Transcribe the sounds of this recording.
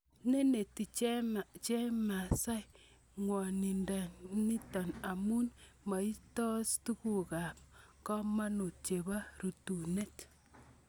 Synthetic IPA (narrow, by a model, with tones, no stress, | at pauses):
ne˦ne˨ti˨t͡ʃe˦ma˨t͡ʃe˦ma˨sa˦j | ŋwɔ˨ni˨nda˨ni˦tɔ˨na˨mu˦nma˨i˦tɔ˦stu˦ku˨ka˨p̚kɔ˦ma˦nu˨tt͡ʃe˨ba˦ɾu˨tu˨ne˦t